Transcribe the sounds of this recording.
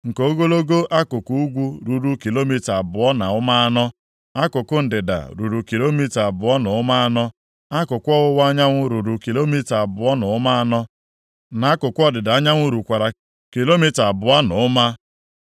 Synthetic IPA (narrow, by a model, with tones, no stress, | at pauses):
ŋ̩˨ko˦ɡo˦lo˦ɡo˦ʔa˦kʊ˨ku˦u˦ɡʷu˦ɾu˨ɾu˦ki˨lo˦mi˦ta˨a˨bʊ˨ɔ˦na˨ʊ˦ma˦a˦nɔ˦ | a˦kʊ˨kʊ˦n̩˨dɪ˨da̰˨ɾu˨ɾu˨ki˨lo˦mi˦ta˨bʊ˨ɔ˦nʊ˨ʊ˦ma˦a˦nɔ˦ | a˦kʊ˨kʷɔ˦wʊ˦wa˦ɲa˦ŋʷʊ˦ɾu˨ɾu˨ki˨lo˦mi˦ta˨a˨bʊ˨ɔ˦nʊ˨ʊ˦ma˦a˦nɔ˦ | na˨˦kʊ˨kʷʊ˦ɔ˦dɪ˨da˨a˦ɲa˦ŋʷʊ˦ɾu˨kʷa˨ɾa˨ | ki˨lo˦mi˦ta˨bʊ˨a˦nʊ˨ʊ˦ma˦